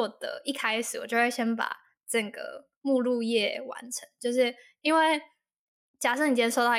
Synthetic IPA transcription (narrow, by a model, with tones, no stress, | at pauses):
d̪ə̰˨i˥˩kʰa˥ɪʂɻ̩˨˩wɔ˨˩t͡ɕo˥˧ʊwe˥˩ɕjɛ˥npa̰˨˩ | ʈ͡ʂɤ˥˩ɡə̰˩ | mu˥˧lu˥˧jɛ˥˩wa̰˧˦nʈ͡ʂʰə˧˦ŋt͡ɕjo˥˧ʊʂɻ̩˥˩ | i˥nwe˥˩ɪ | t͡ɕja˨˩ʂ̬ɤ˥˩ŋni˨˩jɛ˥nʂo˥˧ʊt̪ɑ˥˩